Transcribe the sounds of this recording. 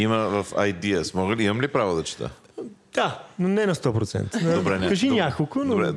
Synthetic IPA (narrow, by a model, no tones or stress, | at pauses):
iməvɐfɐ̰jd̪iəsmɔɡəlimɐmlipɾavod̪ɐt͡ʃi̥t̪ə̰ | d̪̥anonɛnɐst̪ɔpɾot̪sɛ̰nt̪d̪obɾɛnɛkɐʒinʲjakolˠkonobɾɛ̰